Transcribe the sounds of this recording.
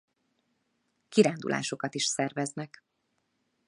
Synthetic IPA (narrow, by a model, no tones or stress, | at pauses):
kiɾaːnd̪ṵlʔa̰ːʃo̞kɒt̪iʃsɛrvɛznɛk